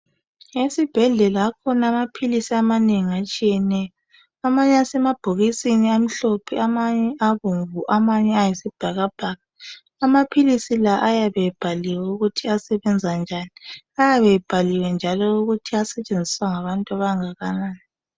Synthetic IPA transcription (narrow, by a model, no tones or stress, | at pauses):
esib̥ʱɛɮɛlaːkʰɔnamapʰilisiamaneŋiat͡ʃʼijɛnɛjɔ | amaɲɛasɛmab̥ʱoɣisiniam̩ɬopʰiamaɲɛʔaβuɱvuʔamaɲɛajisib̥ʱaɣab̥ʱaɣaː | mapʰilisilaʔajaβɛb̥ʱaliwɛuɣutʰiasɛβɛnd͡zʱand͡ʒʱani | ajaβɛb̥ʱaliwɛnd͡ʒʱalɔuɣutʰiasɛt͡ʃʼend͡zʱiswaŋaβantʼuaβaŋaɣanaːni